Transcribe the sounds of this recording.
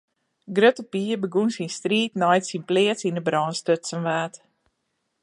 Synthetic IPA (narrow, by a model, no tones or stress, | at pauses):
ɡrøtəpiːəbəɡunsinstriːtnɔjtsinpliətsinəbrɑːnstøtsənʋaːt